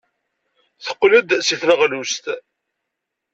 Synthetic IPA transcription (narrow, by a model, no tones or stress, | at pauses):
θə̥qːlud̪siθləʁlust̪